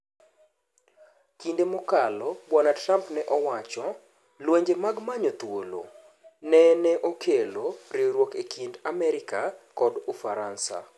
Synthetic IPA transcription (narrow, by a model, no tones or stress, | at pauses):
kindemɔkalɔbwanatrampnɛʔɔwat͡ʃɔ | lweɲd͡ʒemaɡmaɲot̪wolo̰ | nɛnɛʔokʰeloɾiɾwokekʰindamɛɾɪkakɔdufaɾansa̰